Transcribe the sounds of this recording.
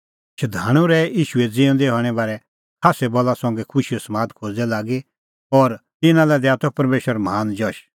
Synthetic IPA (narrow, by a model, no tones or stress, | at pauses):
ʃɐd̪ʱaːɽ̃ũɾɛiːʃued͡ziːũd̪eɦɔːɽ̃ɛbaːɾɛ | hʰasɛbɔlasɔ̃ŋɡɛkʰʊʃijɔsɐmaːd̪kʰoːd͡z̪ɛlaːɡi | ɔːɾt̪ɪnãlɛd̪ɛat̪ɔpɐɾmeːʃəɾmaːnd͡ʒɔʃ